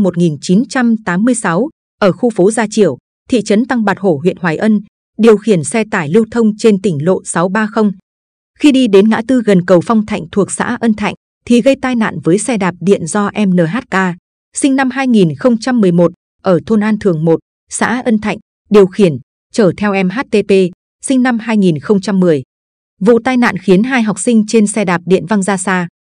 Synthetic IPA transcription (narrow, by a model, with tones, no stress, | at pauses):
mo˨˩t̚ŋi˨˩nt͡ɕi˨˦nt͡ɕa˧mt̪aː˨˦mːɨ˧əjsa˨˦w | ʔəː˧˩xu˧fo˨˦zaː˧t͡ɕḭ˧˨əw | t̪ʰḭ˧˨t͡ɕə˨˦nt̪a˧ŋɓaː˨˩t̚ho˧˩ɦwḭ˧˨ənhwaː˨˩jʔə˧n | ɗi˨˩əwxi˧˩ənsɛ˧t̪aː˧˩jli˧əwt̪ʰə˧wŋ͡mt͡ɕe˧nt̪ï˧˩ŋ̟lo̰˧˨sa˨˦wɓaː˧xə˧wŋ͡m | xi˧ɗi˧ɗe˨˦nŋa̰ː˧˥t̪ɨ˧ɣə˨˩nkə˨˩wfa˧wŋ͡mt̪ʰa̰˧˨jŋ̟t̪ʰu˨˩ək̚sa̰ː˧˥ʔə˧nt̪ʰa̰˧˨jŋ̟ | t̪ʰi˨˩ɣə˧jt̪aː˧jna̰ː˧˨nvəː˨˦jsɛ˧ɗaː˨˩p̚ɗḭ˧˨ənzɔ˧ʔɛ˧mnəː˨˩ɦaː˦˥t̚kaː˧ | sï˧ŋ̟na˧mɦaː˧jŋi˨˩nxə˧wŋ͡mt͡ɕa˧mːɨ˨˩əjmo˨˩t̚ | ʔəː˧˩t̪ʰo˧nʔaː˧nt̪ʰɨ˨˩əŋmo˨˩t̚ | sa̰ː˧˥ʔə˧nt̪ʰa̰˧˨jŋ̟ | ɗi˨˩əwxi˧˩ən | t͡ɕəː˧˩t̪ʰɛ˧wʔɛ˧mɦa˦˥t̚t̪e˧pe˧ | sï˧ŋ̟na˧mhaː˧jŋi˨˩nxə˧wŋ͡mt͡ɕa˧mːɨ˨˩əj | vṵ˧˨t̪aː˧jna̰ː˧˨nxi˨˦ənɦaː˧jɦa˨˩wk͡p̚sï˧ŋ̟t͡ɕe˧nsɛ˧ɗaː˨˩p̚ɗḭ˧˨ənva˧ŋzaː˧saː˧